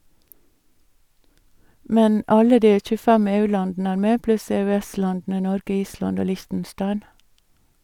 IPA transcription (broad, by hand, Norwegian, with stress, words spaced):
ˈmɛn ˈɑlə ˈdiː c͡çʉˈfɛm ˈeːˌʉːˌlɑndn̩ə ˈæːɾ ˈmeː ˈplʉs ɛœˈɛˌslɑndn̩ə ˈnɔɾɡə ˈiːˌslɑnd ˈoː ˈlɪçtn̩ˌʃtɑɪn